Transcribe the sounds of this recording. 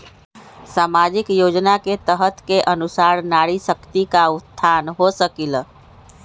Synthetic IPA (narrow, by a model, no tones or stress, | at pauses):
saːmad͡ʒɪkjoːd͡ʒnaket̪əɦət̪keʔənʊsaːɾnaːɽisəkt̪ikaʊt̪t̪ʰːaːnɦosəkil